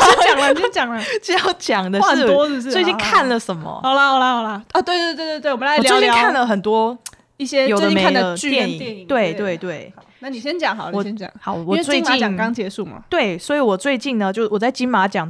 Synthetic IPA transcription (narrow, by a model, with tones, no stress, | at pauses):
t͡ɕŋwt͡ɕjɑ˨˩ŋə˨˩t͡ɕɑ˥˩ʊt͡ɕjɑ˨˩ŋd̪ə˦˥˩ɔ˥˧swe˥˧t͡ɕi˥˧nkʰa˥˩nlə˨˩ʂə˨˦nmə̰˧ɑ˨˩ʊlhla˧hɑ˨˩lɐ˧ɔ˨˩t̪we˥ɪt̪e˥˧wtwt̪wwla˧˥˨ljt͡ɕi˥˧˦kʰa˥˩nlə˩xə˨˩nt̪wɔ˥ | i˥˩ɕjɛ˦jo˨˩d̪ə˦˥me˨a˥˨ə˧y˥jɛ˥˧ni˨˩ɛ˨t̪we˥˩ɪwe˥˧ɪt̪we˥˩ɪ˨na˥˩ni˨˩ɕjɛ˥nt͡ɕjɑ˨˩ŋxɑ˨˦wɔ˨˩ɛ˥nt͡ɕjɑ̰˨˩˦hɑ˨˩˦ʊwɔ˨˥˧t͡swe˥˧ɪt͡ɕi˧˥t͡ɕjɑ˨ŋŋkɑ˥ŋt͡ɕjɛ˧˥su˥˩ma̰˨˩t̪we˥˩ɪswɔ˧˥i˨˧˦wɔ˨˩t͡swe˥˧ɪt͡ɕi˥˩nnə˩t͡ɕjo˥˧ʊ˧wɔ˨˩t͡sa˥˩ɪt͡ɕi˥nma˧˥t͡ɕjɑ˨˩ŋ